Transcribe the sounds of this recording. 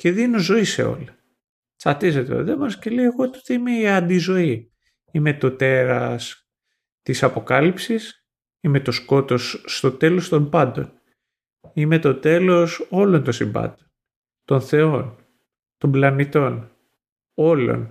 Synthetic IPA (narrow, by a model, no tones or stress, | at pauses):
ce̞ðinozo̞ise̞̰o̞̰lɐ | t͡sɐt̪izet̪ḛðemɐnscelieɣot̪ot̪iime̞iɐnd̪izo̞i | ime̞t̪o̞t̪e̞ɾɐs | t̪isɐpo̞kɐlipsis | ime̞t̪o̞sko̞t̪o̞sːt̪o̞t̪e̞lo̞st̪o̞mpɐnd̪o̞̰n | ime̞t̪o̞t̪e̞lo̞so̞lo̞nt̪o̞nsimbɐ̰t̪on | t̪o̞nθe̞o̞n | t̪o̞mblɐnit̪o̞n | o̞lo̞̰n